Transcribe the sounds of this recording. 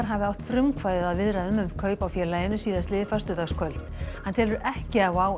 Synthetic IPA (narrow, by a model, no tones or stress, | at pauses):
ɾ̥ɦavɪawht̪fɾʏmkʰvajðɪðaðvɪðɾaðʏmʏmkʰœːɥpawfjɛːɾlaːjɪnʏsiːðast̪ɪːðɪfast̪ʏt̪askʰvœl̥t̪nhant̪ʰɛːlʏɾʔɛhcɪawaːw